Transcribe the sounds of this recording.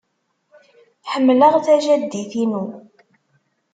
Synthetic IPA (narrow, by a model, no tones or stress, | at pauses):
ħəmːləʁθæʒæd̪ːiθinu